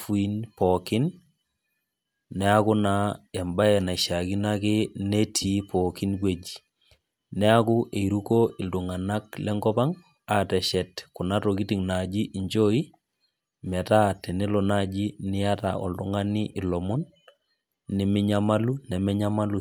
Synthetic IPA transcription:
fu˨i˦npɔkɪ˦n | ɛ˦a˦kʊ˦na˦ɛ˨mba˦ɛ˨na˨i˨ʃa˨ki˦na˦kɪ˦ne˦tʰi˨˦pɔ˨ki˦nk̬we˨d͡ʒi˨ | nɛ˦a˦kʊ˦ʔe˨iɾu˦ko˦ɪ˨ldu˨ŋa˨na˦klɛ˦ŋɡɔ˦pa˦ŋ | a˨tɛ˨ʃɛ˨tkʊ˨na˦toki˦ti˨ŋna˨d͡ʒi˦ʔi˨ɲd͡ʒo˦i˦ | mɛ˨ta˦tɛ˨nɪ˦lɔ˨na˦d͡ʒi˦nɪ˦ja˦ta̰˨ʔɔ̰˨ldʊ˦ŋa˦ni˦ʔɪ˨lɔ˨mɔ˦nː | i˨mɪ˦ɲa˦ma˦lu˦nɛ˨mɛ˦ɲa˦ma˦lu˨

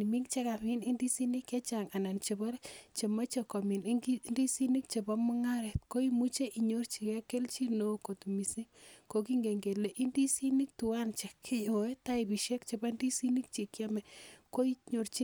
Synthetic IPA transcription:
i˨mi˦ŋt͡ʃe˦ka˨pi˦ni˦ndi˦si˦ni˦kjɛ˦t͡ʃa˨ŋa˨na˨nt͡ʃe˨ba˦ɾt͡ʃe˨ma˦t͡ʃe˨ko˨mi˨n˦ndi˦si˦ni˦k̚t͡ʃe˨ba˦mʊ˦ŋa˦ɾe˨tko˦i˦mu˦t͡ʃe˦ʔi˨ɲo˦rt͡ʃi˨kɛ˦ke˦lt͡ʃi˦no˦ko˨tu˨mi˨si˦ko˨k̬i˦ŋɡe˨ŋɡe˨le˨ʔi˦ndi˦si˦ni˦k̚tu˨wa˦nt͡ʃɛ˨kʰːɪ˦jo˨e˦ta˦i˨bi˨ʃe˦kt͡ʃe˨ba˦ndi˦si˦ni˦k̚t͡ʃe˨kja˦mɛ˨ko˦i˦ɲo˨ɾt͡ʃi˦

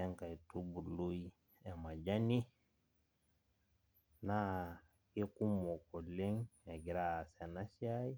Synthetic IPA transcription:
ɛ˦ŋka˨i˨tu˦bu˨lu˦i | ɛ˨ma˨d͡ʒa˦ni˦ | na˦ | ki˦ku˦mo˨ko˨le˦ŋe˨ɡi˨ɾa˨sɛ˨na˦si˦ai˦

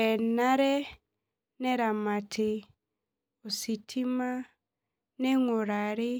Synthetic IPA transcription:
ɛ˨na˦ɾɛ˦ | nɛ˦ɾa˨ma˨tʰe˨ | o˨si˨tʰi˦ma˦ | ne˦ŋo˨ɾa˨ɾe˦

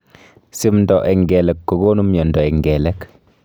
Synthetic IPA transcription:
si˦mndɔ˨ʔɛ˨ŋɡɛ˨lɛ˨kːo˨ɡoː˦nu˦mjɔ˨ndɔ˨ɛ˨ŋɡɛ˨lɛ˦k

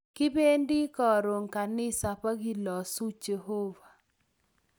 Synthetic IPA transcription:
kɪ˦be˦ndɪ˦kɔ˨ɾo˨ŋka˨nɪ˦sa˨pa˦ɡɪ˦lɔ˨su˦t͡ʃe˨ɦo˦va˨

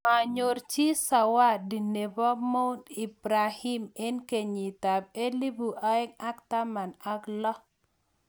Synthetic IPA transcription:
ma˨ɲo˨rt͡ʃi˦sa˨wa˦di˨ne˨bɔ˦mo˦u˦ni˨bɾa˨hi˦mɛ˦nke˨ɲi˨ta˨b̚e˦li˦bu˨ʔa˦ɛ˦ŋa˦k̚ta˦ma˨na˦ɡlɔ˦

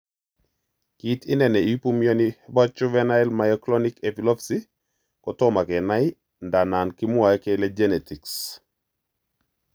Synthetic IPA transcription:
ki˦tɪ˦nɛ˨nɛi˦pu˦mjɔ˦niba˦t͡ʃu˦vɛna˦ɛ˦lmajɔklɔ˦nike˨pilɔ˦psi | kɔ˨tɔ˦ma˨kɛ˨na˦i˦ | nda˨na˨nkɪ˦mʊ˦a˨ɛ˦kɛ˦lɛd͡ʒɛ˦ne˨ti˨ks

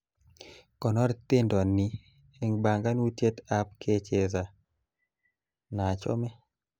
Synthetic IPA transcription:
kɔ˨nɔ˦ɾt̪ɪ˦ndɔ˨ni˨ | e˨ŋba˨ŋɡa˦nu˦tje˦t̪a˦p̚kʰe˦t͡ʃe˦za˨ | na˨t͡ʃɔ̰˦mɛ˦

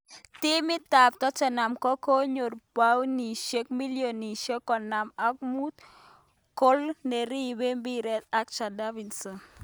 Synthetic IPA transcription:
t̪ɪ˦mɪ˦t̪a˨p̚t̪ɔ˦t͡ʃɛ˨na˨mkɔ˦ko˦ɲo˨ɾpa˦wni˨ʃe˦k̚mi˦ljo˨ni˨ʃe˦kːɔ˨na˨ma˦k̚mu˦t̪̚ | ko˦lne˨ɾi˦be˦mbi˦ɾɛ˦t̪̚a˦k̚t͡ʃa˨da˦vi˨nsɔ˨n

